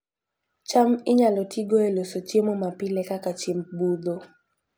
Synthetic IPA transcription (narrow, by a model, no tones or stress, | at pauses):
t͡ʃamɪɲalɔtʰiɡoelosot͡ʃjemomapɪlɛkakat͡ʃimbud̪o